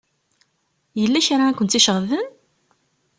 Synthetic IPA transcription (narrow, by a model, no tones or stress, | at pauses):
jəlːæçɾaækʷːənt̪iʃəʁðən